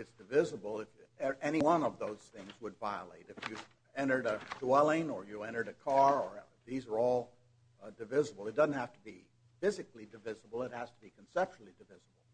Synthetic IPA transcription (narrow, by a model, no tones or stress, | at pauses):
ɨtsd̥ɨvɪzəbl̩ˠɪfɛñiwʌ̃nʌvðoʊz̥θɪ̃ŋzwədvaɪəlḛɪɾɨfjɨ | ɛ̃ɾ̃ə˞ɾəd̥wɛlˠɪ̃ŋə˞jɨɛ̃ɾ̃ə˞ɾɨkʰɑɹə˞ | ðizə˞ɔlˠ | dɨvɪzəbl̩ˠɨt̚d̥ʌzn̩t̚hæftəbi | fɪzɨklidɨvɪzəbl̩ˠət̚hæz̥təbikʰn̩sɛp̚t͡ʃl̩ˠidɨvɪzəbl̩ˠ